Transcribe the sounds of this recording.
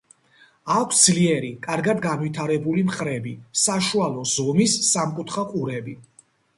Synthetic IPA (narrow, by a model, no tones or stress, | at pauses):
akʷʰsd̪zliɛɾikʼaɾɡad̪ɡanwit̪ʰaɾɛbulimχɾɛbisaʃualˠɔzɔmisːamkʼut̪ʰχaqʼuɾɛbi